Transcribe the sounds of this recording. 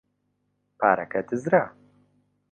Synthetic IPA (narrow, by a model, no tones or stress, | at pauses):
pʰa̰ːɾɐ̰kɐt̪ʰɨzɾa